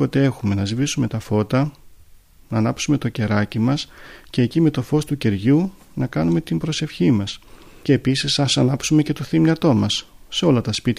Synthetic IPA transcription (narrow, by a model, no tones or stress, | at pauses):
o̞t̪e̞e̞xume̞nɐzivisume̞t̪ɐfo̞t̪ɐ | nɐːnɐpsume̞t̪o̞ce̞ɾɐcimɐsce̞ːcime̞t̪o̞fo̞st̪uce̞ɾʝu | nɐkɐnume̞t̪imbɾo̞se̞fçimɐs | ce̞ːpisisɐsɐnɐpsume̞ce̞t̪o̞θimnɐt̪o̞mɐsː | e̞o̞lɐt̪ɐspit̪